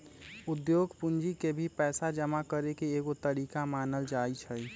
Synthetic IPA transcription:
ud̪joɡʱpund͡ʒikebʱipɛːsad͡ʒəmakəɾekeːɡot̪əɾikamaːnəld͡ʒait͡ʃʰəj

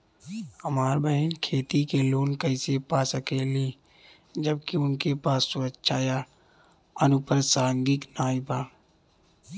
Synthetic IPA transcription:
həmaːɾbəɦənkʰeːt̪ikeloːnkəɪsepaːsəkeːli | d͡ʒəb̚kiʊnkepaːsːʊətːʃʰaːja | ənʊpəɾsaːŋɡɪknaːɪbaː

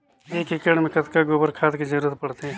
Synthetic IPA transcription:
eːkɪkəɽmẽkɐt̪kaɡoːbəɾkʰaːt̪kizɐɾuːɾət̪pɐɽt̪eɦɛ̃ː

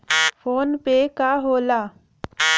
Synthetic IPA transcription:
fʰoːnpekaɦoːlaː

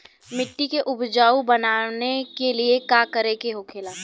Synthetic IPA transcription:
mɪʈːikeʔʊbd͡ʒaːubɐnaːnekeliekaːkəɾekeɦokʰeːlaː

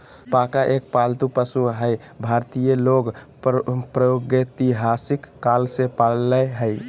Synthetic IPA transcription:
pakaʔek̚palt̪upəsuɦəj | bʱaɾt̪ijəloɡ | pɾəjoɡet̪iɦasikːalsepalləɦəj

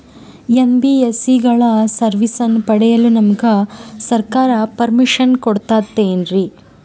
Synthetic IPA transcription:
enbiesiɡɐɭɐsɐɾʋisɐnːpɐɽɛjɐlunɐmɐɡɐsɐɾkaːɾɐpɐɾmiʂɐnkoɽt̪aːt̪ːeːnɾi

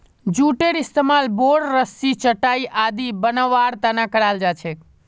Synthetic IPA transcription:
d͡ʒuʈeɾist̪emalboɽɾəsit͡ʃəʈaiʔad̪ibənəʋaɾt̪anakəɽald͡ʒat͡ʃʰɛ

